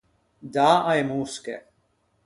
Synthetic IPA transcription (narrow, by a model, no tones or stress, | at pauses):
d̪aaɛmuskɛ̰